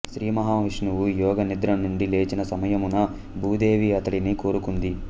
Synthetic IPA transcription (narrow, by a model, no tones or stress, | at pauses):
ʃɾiːmɐɦaːʋiʂnuʋujɔːɡɐnid̪ɾɐnːuɳɖile̞ːt͡ʃinɐsɐmɐjɐmunːɐ | bʱuːd̪e̞ːʋiɐt̪ɐɽiniko̞ːɾukund̪i